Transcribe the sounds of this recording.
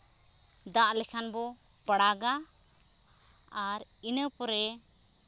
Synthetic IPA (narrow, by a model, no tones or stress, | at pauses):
d̪aʔlɛkʰanbɔ | pəɽaɡa | aɾ | inəpɔɾɛ